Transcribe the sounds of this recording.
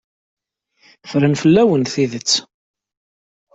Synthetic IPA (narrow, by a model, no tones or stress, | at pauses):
fɾənfəlːæwənθiðət͡sː